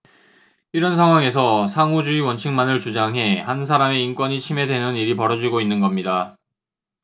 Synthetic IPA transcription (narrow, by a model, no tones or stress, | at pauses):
iɾʌnsʰaŋɦwaŋe̞s̬ʰʌsʰaŋod͡ʑuiwʌnt͡ɕʰiŋmanɯɭt͡ɕud͡ʑaŋɦe̞hans̬ʰaɾame̞ink͈wʌɲit͡ɕʰime̞dwe̞nɯniɾipʌɾʌd͡ʑiɡoinːɯnɡʌmɲida